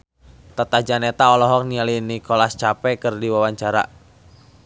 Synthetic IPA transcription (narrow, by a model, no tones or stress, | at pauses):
t̪at̪ad͡ʒanɛt̪aɔlɔɦɔk̚nialinikɔlast͡ʃapɛkɨrdiwawaɲt͡ʃaɾa̰